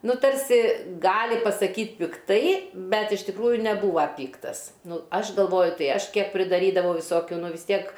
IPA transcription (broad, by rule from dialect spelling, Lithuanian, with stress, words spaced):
ˈnʊ ˈtɐrʲsʲɪ ˈɡɑːlʲɪ pɐsɐˈkʲiːt pʲɪkˈtɐɪ ˈbʲɛt ɪʃ tʲɪkˈruːjʊ nʲɛˈbuːʋɐ ˈpʲiːktɐs ˈnʊ ˈɐʃ ɡɐlˠˈʋoːjʊ ˈtɐɪ ˈɐʃ ˈkʲiɛk pʲrʲɪdɐˈrʲiːdɐʋoː ʋʲɪˈsoːkʲʊ ˈnʊ ʋʲɪs ˈtʲiɛk